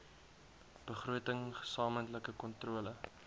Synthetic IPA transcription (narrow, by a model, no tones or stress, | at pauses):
b̥əχruətəŋə̥sɑːməntləkəkɔntruələ